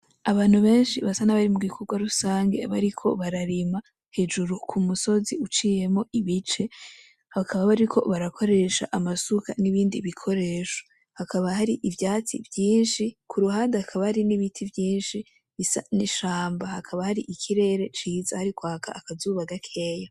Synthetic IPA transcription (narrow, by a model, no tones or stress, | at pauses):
aβaːn̥huβe̞ːnʃiβasanaβaɾimuɡikʰo̞ɡwaɾusaːŋɡe̞̰βaɾikʰo̞̰βaɾaɾima | he̞d͡ʒuɾukʰumuso̞ziut͡ʃiːje̞mo̞ʔiβit͡ʃe̞ | hakʰaβaβaɾikʰo̞̰βaɾakʰo̞ɾe̞ʃa̰ʔamasuka̰niβiːndiβikʰo̞ɾe̞ːʃo̥ | hakʰaβahaɾiʔivjaːt͡sḭvjiːnʃikʰuɾuɦaːndehakʰaβahaɾiniβitʰivjiːnʃi | saniʃaːmbahakʰaβahaɾiʔikʰiɾe̞ɾe̞t͡ʃiːzahaɾikwaːkʰa̰ːkazuːβaɡakʰe̞ːja